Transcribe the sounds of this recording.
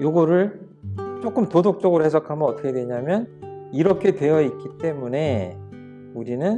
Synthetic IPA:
joɡʌɾɯɭ | t͡ɕ͈ok͈ɯmtodok̚t͡ɕ͈ʌɡɯɾohesʰʌkʰamʌʌt͈ʌkʰedwe̞ɲamjʌniɾʌkʰe̞dwe̞jʌik͈it͈e̞mune̞ | uɾinɯn

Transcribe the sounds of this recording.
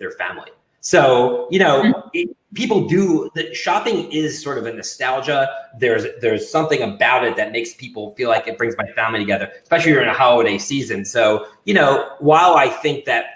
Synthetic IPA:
ðə˞fæ̰̃mlḭ | soʊjɨnoʊ | pʰipl̩ˠdɨðɨʃɑpɪ̃ŋɪz̥sɔɹɾʌvɨ̃nɨstælˠd͡ʒəðə˞zðə˞z̥sʌ̃mθɪ̃ŋɨbaʊɾɨt̪̚ðɨt̚meɪkspʰipl̩ˠfilaɪkɨt̚b̥ɹɪ̃ŋzmaɪfæ̃mlitʰɨɡɛðə˞spɛʃl̩ˠiwə˞ɨ̃nɨhɑlˠəɾeɪsizɨ̃nsoʊjɨnoʊwaɪlˠaɪθɪ̃ŋk̚ðɨt̚

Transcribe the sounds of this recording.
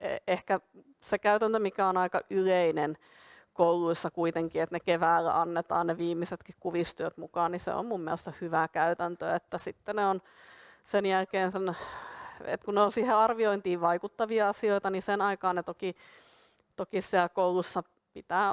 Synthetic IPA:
ehkæ | sekæyt̪ænt̪ømikæonɑikɑʔyleinen | kouluisːɑkuit̪eŋkiet̪nekeʋæːlːæ̰ʔɑnːet̪ɑ̰ːnneʋiːmːiset̪kikkuʋist̪yøt̪mukɑːnnisḛo̰mmumːiæ̰lest̪sɑhyʋækæyt̪ænt̪ø̰et̪ːæsit̪ːeneon | senjælkeːnsen | ḛt̪kunneonsiːheɑrʋioint̪iːʋʋɑikut̪ːɑʋiɑɑsioit̪ɑnisenɑikɑːnnet̪oki | t̪okissiælkoulusːɑ | pit̪æː

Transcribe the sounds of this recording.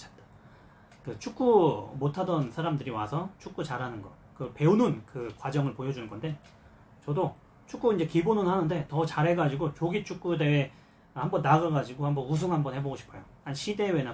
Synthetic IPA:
t͡ɕʰḁt̚t͈ḁ | kɯt͡ɕʰuk͈umotʰadʌnsʰaɾamdɯɾiwasʰʌt͡ɕʰuk͈ut͡ɕaɾanɯnɡʌ | kɯpe̞unɯnkɯkwad͡ʑʌŋɯɭpojʌd͡ʑunɯnɡʌnde̞ | t͡ɕʌdo | t͡ɕʰuk͈uind͡ʑe̞kibonɯnhanɯnde̞tʌt͡ɕaɾɦe̞ɡad͡ʑiɡot͡ɕoɡit͡ɕʰuk͈̚ude̞ː | hambʌnːaɡɯɡad͡ʑiɡohambʌnus̬ʰuŋhambʌnhe̞boɡoɕʰi̥pʰʌjo | anɕʰide̞wena

